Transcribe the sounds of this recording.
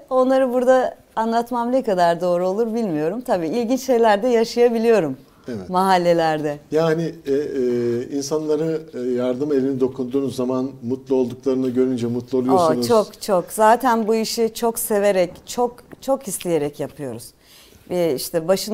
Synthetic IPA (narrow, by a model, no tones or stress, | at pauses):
o̞nlˠaɾɯbuɾd̪aː | nlˠat̪mamnekad̪aɾd̪o̞ːɾuo̞lˠuɾbilʲmijo̞ɾumt̪ʰabiːilʲɟint͡ʃʃe̞jlʲæɾd̪ɛjaʃajabilʲijo̞ɾum | vɛːaɦalʲːe̞lʲæɾd̪ɛjaːni | insanlˠaɾɯjaɾd̪ɯme̞lʲinid̪o̞kʰund̪uːnzamanmut̪lˠo̞lˠd̪uklˠaɾɯnaɟø̞ɾynd͡ʒɛmut̪ʰlˠuolˠujoosunt͡ʃt͡ʃʰokt͡ʃʰokzaːt̪ʰænbuiʃit͡ʃʰo̞kse̞ve̞ɾɛct͡ʃʰokt͡ʃʰokhislʲije̞ɾɛcjapʰɯjo̞ɾuz̥ | vɛiʃt̪ʰɛbaʃɯn